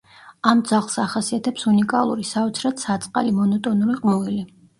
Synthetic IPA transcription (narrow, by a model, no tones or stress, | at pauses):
amd̪zaʁlˠsaχasiat̪ʰɛpsunikʼalˠṵɾisaɔt̪sʰɾat̪sat̪sʼqʼa̰limɔnɔt̪ʼɔnuɾiqʼmuvili